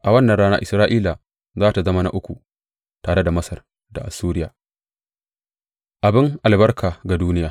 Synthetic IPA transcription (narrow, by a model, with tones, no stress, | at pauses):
ʔa˨wɐ˦nːɐ˨ɽaː˦na̰˦ʔɪ˨sɾaː˦ʔiː˦la˨ | zaː˦ta˨zɐ˦ma˦na̰˦ʔʊ˦kʷu˨ | taː˨ɽe˦da˨mɐ˦sɐ˨r | da̰˨ʔa˨suː˦ɾɪ˦jaː˨ | ʔa˨bɪ˦ŋʔa˨lbɐ˦rkʰaː˨ɡa˨duː˦nɪ˦jaː˨